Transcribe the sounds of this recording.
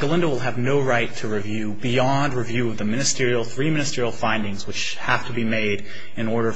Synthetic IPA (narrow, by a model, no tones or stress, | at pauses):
ɡ̥əlɪ̃ndəwəlˠɨvnoʊɹaɪtʰɨɹivjʉbiɑ̃nd̚ɹɨvjʉʌvðɨmɪ̃ñɨstɪɹil̩ˠθɹimɪ̃nɨstɪɹil̩ˠfãɪ̃ndɪ̃ŋzwɨt͡ʃ | hæftʰəbimeɪɾ | ɨ̃nɔɹɾə˞